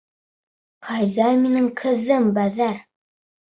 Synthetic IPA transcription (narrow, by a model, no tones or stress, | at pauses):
qʰɑjðɑminɘŋkʰɘ̆ðːɘmbæðæɾ